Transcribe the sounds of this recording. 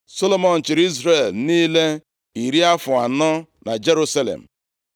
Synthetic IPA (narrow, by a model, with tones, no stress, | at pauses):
so˦lo˦mɔ˨n̩˨t͡ʃɪ˨ɾi˦zɾe˨lniː˦le˦ | i˨ɾi˦a˦fʊ˨a˨nɔ˦ | na˨d͡ʒe˦ɾu˦sa˦lḛ˨m̩˨